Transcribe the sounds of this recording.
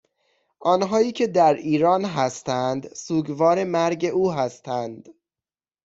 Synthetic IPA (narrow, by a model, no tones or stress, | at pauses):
ʔɒːnɦɒːiːcʰe̞d̪æɾiːɾɒːnɦæst̪ænd̪suːɡvɒːɾe̞mæɾɟe̞ʔuːɦæst̪ʰænd̪